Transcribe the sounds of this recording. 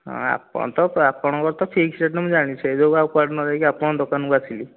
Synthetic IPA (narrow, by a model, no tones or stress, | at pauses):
ɦɔ̰̃a̰pɔ̰ɽ̃t̪ɔapɔɽ̃ɔkɔɾt̪ɔpʰikseʈnemũd͡ʒaɽ̃it͡ʃʰɛed͡ʒokawpwaɖnɔɾajkiapɔɽ̃ɔ̃d̪ɔkanukat͡ʃʰili